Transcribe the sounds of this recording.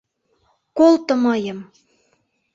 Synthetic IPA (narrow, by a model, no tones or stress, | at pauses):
kolt̪ɤ̆mɤjə̆m